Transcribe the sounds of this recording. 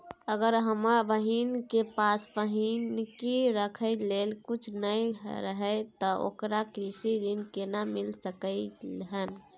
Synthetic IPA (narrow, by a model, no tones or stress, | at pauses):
əɡəɾɦəmabəɦinkepasbəɦinkiɾəkʰəɪlelkut͡ʃʰnəjɾəɦət̪ɔʔo̰kɾakɾisiɾinkenamilsəkəɪleɦən